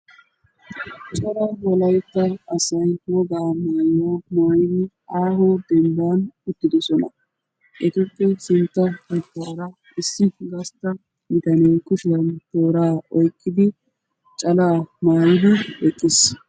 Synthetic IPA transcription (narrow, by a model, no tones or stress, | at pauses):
t͡ʃʼɐlawɔlɐjt̪ːɐːsɐjwɔɡaːmaːjoːmaːjɪd̪ɪ | aːɦɔd̪ɛnd̪aːnʊt̪ːɪd̪ɔsɔnɐ̰ | ʔɛt̪ɔpʼːɛsɪnt̪ːɐhɐkːaːɾɐ | ɪsːɪɡɐst̪ːɐ | mɪt̪ɐnekʊʃɪdɐnt̪o̞ːɾaːɔjkʼːɪd̪ɪ | t͡ʃʼɐlaːmaːjɪd̪ɪɛkʼːɪs